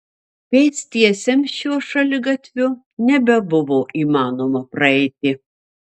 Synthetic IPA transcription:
pʲɛɪsʲt̪ʲiɛsʲɛmʃuɔʃɐlʲɪɡɐt̪ʲʋʲʊ | nʲɛbʲɛbʊʋoːʔiːmɑːnoːmɐpɾɐɛɪt̪ʲɪ

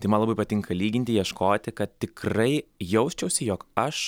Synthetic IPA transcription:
t̪ɐɪmɐnlˠɐbɐɪpɐtʲɪŋkɐlʲiːɡʲɪnʲt̪ʲɪjiɛʃkoːt̪ʲɪkɐt̪̚t̪ʲɪkrɐɪjɛʊsʲt͡ʃʲɛʊsʲɪjoːkɐʃ

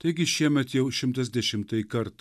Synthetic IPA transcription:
t̪ɐɡʲɪʃʲiɛmʲɛt̪jɛwʃʲɪmt̪ɛzʲd̪ʲɛʃʲɪmt̪ɐjkɐɾt̪

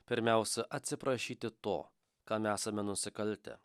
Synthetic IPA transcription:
pʲɪɾʲmʲæˑʊsʲɛʔɐt̪ʲsʲɪpɾɐʃʲiːt̪ʲɪt̪o̰ː | kɑːmʲæːsɐmʲɛnʊsʲɪkɐlʲˑt̪ʲɛ̰

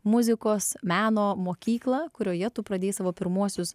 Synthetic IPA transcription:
mʊzʲɪkoːsmʲæːnoːmoːkʲiːklˠɐkʊɾʲoːjɛt̪ʊpɾɐd̪ʲeːsɑːʋoːpʲɪɾmuɔsʲʊs

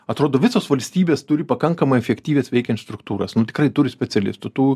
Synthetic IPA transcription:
ɐt̪ɾoːd̪oːʋʲɪsoːsʋɐlʲsʲt̪ʲiːbʲeːst̪ʊɾʲɪpɐkɐŋkɐmɐɪɛfʲɛkʲt̪ʲiːʋʲeːsʋʲɛɪkʲɛnʲt̪st̪ɾʊkt̪uːɾɐsnʊt̪ʲɪ̥krɐɪt̪ʊɾʲɪsʲpʲɛt͡s̪ʲɛlʲɪ̰st̪ʊt̪uː

